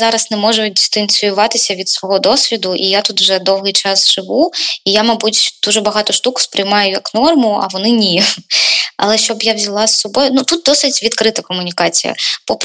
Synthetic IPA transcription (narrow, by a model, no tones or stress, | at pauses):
zɑɾɐsnɛmɔʒʊdʲist̪ɐnʲsʲʊjʊʋɑt̪ɪsʲɐʋʲid̪sʋɔɦɔd̪ɔsʲʋʲid̪ʊʔijat̪ut̪wʒɛd̪ɔwɦɪjt͡ʃɑsʒ̥ɪʋuijamɐbutʲd̪̥uʒɛbɐɦɑt̪ɔʃt̪ukʊ̥spɾɪjmɑjʊjɐknɔrmʊɐ̰ʋɔnɪnʲi | ɐ̰lˠɛʃt͡ʃɔbjawzʲɐlˠɑsːɔbɔjʊnut̪ut̪̚d̪ɔsɪtʲʋʲid̪kɾɪt̪ɐkɔmʊnʲikɑt͡sʲḭjɐ̰pɔp